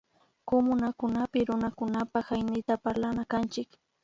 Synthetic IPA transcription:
komʊnakʊnapɪɾʊnakʊnapaxajnɪt̪apaɾlanakant͡ʃɪk

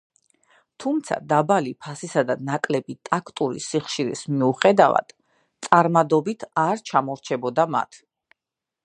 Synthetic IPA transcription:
t̪ʰumt̪sʰa̰d̪abalipʰasisad̪anakʼlɛbit̪ʼakʰt̪ʼuɾḭsiχʃiɾḭsmiuχɛd̪ava̰d̪̥ | t̪sʼaɾmad̪ɔbit̪ʰaɾt͡ʃʰamɔɾt͡ʃʰɛbɔd̪ama̰t̪ʰ

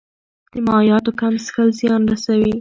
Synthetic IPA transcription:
d̪̥əmɑjɑt̪okamsxəlzjɑnɾasawi

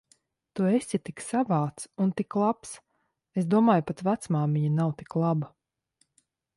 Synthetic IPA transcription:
t̪uesʲit̪iksavaːt̪sunt̪iklˠaps | es̬d̪uɔmaːjpat̪væt̪smaːmʲiɲanawt̪i̥klˠaba

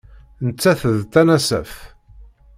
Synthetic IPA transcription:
nət͡sːæθəðt̪ːænæsæ̰f

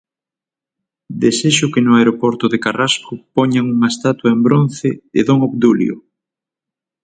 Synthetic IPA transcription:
d̪eseʃʊkenʊaeɾopoɾt̪ʊðekaraskʊpɔɲaŋuŋaest̪at̪waembɾon̟θeeðoŋoβd̪uljo̰

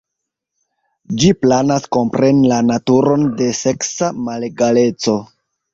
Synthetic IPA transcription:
d͡ʒiplanasko̞mpɾe̞nilanatuɾo̞nde̞se̞ksamale̞ɡale̞t͡so̞

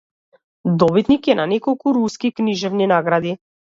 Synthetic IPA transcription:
d̪ɔbit̪nikjɛnanɛkɔlˠkuɾuskikniʒɛvninaɡɾad̪i

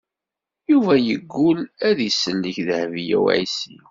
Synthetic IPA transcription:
juvæjəɡːulæðsːənliçðəhvijæ̰w̰ʕḭsḭ

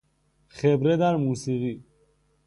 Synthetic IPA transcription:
χɛbɾɛd̪aɾmusiɣi

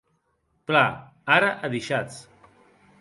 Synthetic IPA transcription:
pla | aɾaʔəðiʃat͡s

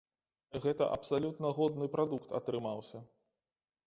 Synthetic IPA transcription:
ɣɛt̪ɐʔɐ̰psalʲut̪nɐɣɔd̪nɨpɾad̪ukt̪ɐ̰t̪ɾɨmawsʲɐ

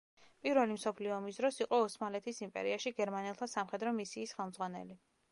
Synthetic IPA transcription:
pʼiɾvɛlimsɔpʰliɔːmis̬d̪ɾɔsiqʼɔːsmalɛt̪ʰisimpʼɛ̰ɾiaʃiɡɛɾmanɛlˠt̪ʰasamχɛd̪ɾɔmisiːsχɛlˠmdzʁwanɛ̰li

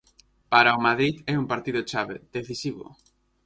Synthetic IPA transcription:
paɾaomaðɾiðɛumpaɾt̪iðʊt͡ʃaβeð̥eθisiβʊ̰

